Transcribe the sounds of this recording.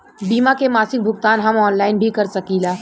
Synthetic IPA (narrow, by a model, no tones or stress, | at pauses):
biːmakemaːsɪk̚bʱʊɡt̪aːnɦɐmɔːnlaːɪnbʱikɐɾsɐkiːlaː